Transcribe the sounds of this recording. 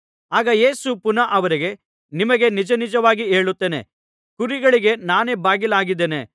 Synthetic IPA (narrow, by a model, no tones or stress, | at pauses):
aːɡɐjeːsupunɐʔɐʋɐɾiɡe̞ | nimɐɡe̞nid͡ʒɐnid͡ʒɐʋaːɡieːɭut̪ːeːnḛ | kuɾiɡɐɭiɡe̞naːneːbaːɡilaːɡid̪ːeːnḛ